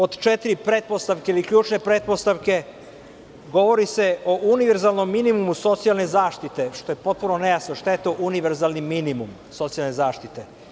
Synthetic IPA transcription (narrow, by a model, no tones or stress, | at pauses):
o̞d̪t͡ʃet̪iɾipɾet̪̚post̪aʋkeilikʎuːt͡ʃne̞pɾet̪̚po̞st̪aʋke̞ | ɡo̞ʋo̞ɾise̞o̞ʔuniʋeɾzalno̞mːinimumuso̞t̪sijalnezaːʃt̪it̪e̞ʃt̪o̞jepo̞t̪̚punonejasnoʃt̪ajet̪o̞ːʔuniʋe̞ɾzalˠniminimum | so̞t̪sialnezaːʃt̪it̪e